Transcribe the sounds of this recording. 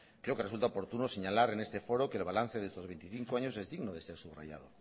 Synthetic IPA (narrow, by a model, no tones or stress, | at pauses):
kɾe̞okeresult̪aopo̞ɾt̪unoseɲalaɾene̞st̪efo̞ɾokeːlβalan̟θeðest̪o̞zβe̞jnt̪iθiŋkoaɲose̞zðiɣnoðe̞se̞ɾsuβra̰ʝa̰ð̞o̰